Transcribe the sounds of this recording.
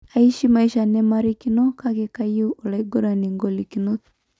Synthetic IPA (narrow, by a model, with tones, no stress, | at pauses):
a˨i˦ʃi˦ma˨i˦ʃa˨nɛ˦ma˦ɾi˦ki˦no˦ka˦ke˨ka˦juː˦˨la˨iɡo˦ɾa˨ni˨ŋɡo˨li˨ki˨no˦